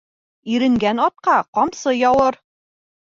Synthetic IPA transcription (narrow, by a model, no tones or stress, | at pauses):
iɾɘ̆ŋɡænɒt̪̚qɑqɒmsɤjɒwɤɾ